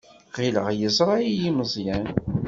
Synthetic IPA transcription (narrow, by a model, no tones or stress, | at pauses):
qiləʁjəsˤɾˤɑijiməzˤjæn